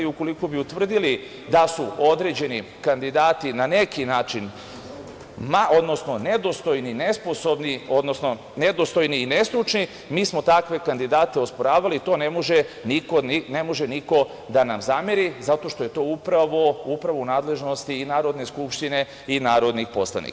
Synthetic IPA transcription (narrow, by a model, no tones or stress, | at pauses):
iuko̞liko̞biut̪ʋr̩d̪ili | d̪asuo̞d̪ɾe̞ːd͡ʑe̞ni | kand̪id̪aːt̪inanekinaːt͡ʃin | maʔo̞d̪nosno̞ne̞d̪o̞st̪ojnine̞spo̞so̞bnio̞d̪nosno̞ | ne̞d̪o̞st̪o̞jniːne̞st̪ɾut͡ʃni | miːsmo̞t̪akʋe̞kand̪id̪aːt̪e̞ospoɾaːʋalit̪o̞ːnemoʒenikone̞moʒe̞niko̞ | d̪anamzameɾizat̪o̞ʃt̪o̞je̞t̪o̞ːupɾaʋoupɾaʋounaːd̪le̞ʒno̞st̪iːnaːɾo̞d̪ne̞skupʃt̪ine̞ | inaːɾo̞d̪nixpo̞slˠa̰nḭka